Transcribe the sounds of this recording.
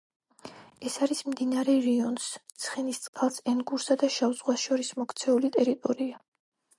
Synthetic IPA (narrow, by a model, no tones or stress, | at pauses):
ɛsaɾismd̪inaɾɛɾiɔnst̪sʰχɛnist̪sʼqʼalˠsɛnɡuɾsad̪aʃavzʁwasʃɔɾismɔkʰt̪sʰɛulit̪ʼɛɾit̪ʼɔɾia